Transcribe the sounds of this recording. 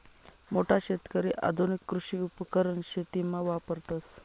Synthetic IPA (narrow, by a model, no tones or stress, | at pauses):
moʈʰaɕet̪kəɾiʔa̰d̪ʱunikːɾuɕiːupəkəɾəɳɕet̪imːaʋapəɾt̪əs